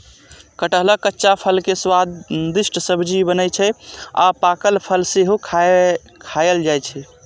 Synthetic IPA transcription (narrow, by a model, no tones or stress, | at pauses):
kəʈəɦləkːətːʃapʰəlkeswad̪d̪isʈsəbʱd͡ʒibənət͡ʃʰɛa̰pakəlpʰəlseɦukʰa | kʰajəld͡ʒajt͡ʃʰɛ